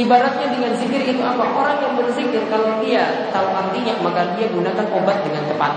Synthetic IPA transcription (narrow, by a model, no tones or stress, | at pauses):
ibaɾat̪̚ɲadəŋansiɡɪɾit̪uapaʔoɾaŋjaŋbərsɪk̚dankalawdia | t̪aʊnart̪iɲak̚makadiaɡunakanʔobat̪̚dəŋant̪əpa̰t̪̚